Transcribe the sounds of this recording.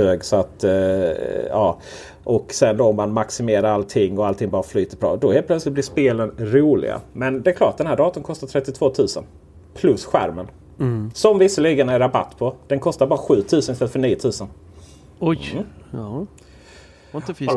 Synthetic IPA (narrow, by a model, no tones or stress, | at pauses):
øːɡsɔat̪ | jɑː | ʔɔksɛnd̪oːɔmːanmaksɪmeːɾaɾalt̪ʰɪŋːɔalt̪ʰɪŋbɑːɾaflyːt̪əpʰɾɑ̰ːd̪ɔheːlpʰlœt̪slɪt̪̚blɪʂpeːlənɾuːlɪ̰ɡa̰mɛnd̪ɛɛkʰlɑːʈad̪ɛnhæːɖɑːt̪ənkʰɔst̪aʈ̪ʰɾɛt̪ːɪt̪ʰv̥oːt̪ʰʉ̟ːsə̰n | pʰlɵsɧæ̰ɾmən | sɔmvɪsːəliːɡənaɛɾaba̰t̪ːpʰɔd̪̥ɛnkʰɔst̪aɾbɑːɾaɧʉ̟ːt̪ʰʉ̟ːsənɪst̪ɛfœɳiːət̪ʰʉ̟ːsən | ɔ